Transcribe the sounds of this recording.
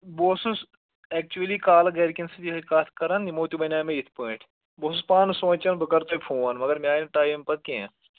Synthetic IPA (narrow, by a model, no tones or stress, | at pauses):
boːsus | ɛk̚t͡ʃuəlikaːlɐɡeːɾkʲinsɐt̪iikaːt̪ʰkɐɾɐnimoːt̪ubɐnʲaːmẽit̪ʰpəːʈʰ | boːsuspaːnsõːt͡ʃɐnbɨkɐɾt̪opʰoːnmɐɡɐɾmʲaːnɐʈaːjimpɐt̪̚keḛ̃